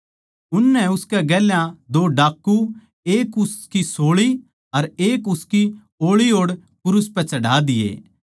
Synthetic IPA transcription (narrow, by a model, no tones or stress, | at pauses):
ʊnːɛʊskɛɡɛːljãd̪oːɖaːkːu | eːkʊskisoːɭi | ɐɾeːkʊski | oːɭioːɽ | kʊɾʊspɛt͡ʃɐɖaːd̪ɪjḛː